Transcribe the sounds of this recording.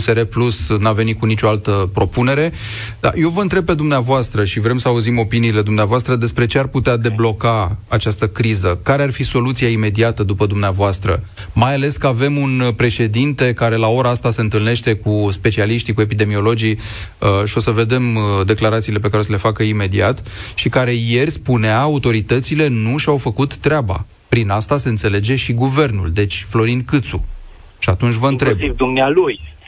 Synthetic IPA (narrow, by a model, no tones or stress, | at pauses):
seɾeplusnave̞nit̪kunit͡ʃo̞alt̪əpɾo̞pune̞ɾe̞d̪a̰jo̞vəɨnt̪ɾe̞b̚pe̞d̪umneavoast̪ɾəʃivɾe̞msəauzimo̞piniːle̞d̪umneavoast̪ɾəd̪e̞spɾe̞t͡ʃearput̪ead̪e̞blo̞kaat͡ʃast̪əkɾizəkaɾe̞arfiso̞lut̪siaime̞d̪iat̪əd̪upəd̪umneavoast̪ɾə̰majale̞skəave̞munpɾe̞ʃe̞d̪int̪e̞kaɾe̞lao̞ɾaast̪ase̞ɨnt̪ɨlne̞ʃt̪e̞kuspe̞t͡ʃialiʃt̪ikue̞pid̪e̞mio̞lo̞d͡ʒiəʃio̞səve̞d̪e̞md̪e̞klaɾat̪sile̞pekaɾes̬əle̞fakəime̞d̪iat̪ʃikaɾe̞je̞rʲspuneaːut̪o̞ɾit̪ət̪sile̞nuʃawfəkut̪ːɾʲeaba̰ | pɾinast̪ase̞ɨnt̪se̞le̞d͡ʒe̞ʃiɡuve̞rnṵld̪e̞t͡ʃʲflo̞ɾinkɨt̪sṵ | ʃiat̪unt͡ʃʲvəɨnt̪ɾe̞b̚d̪umnealuj